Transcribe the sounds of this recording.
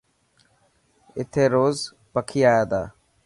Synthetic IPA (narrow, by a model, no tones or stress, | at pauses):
ɪt̪ʰeːɾoːz | pəkʰiːaːjaːd̪aː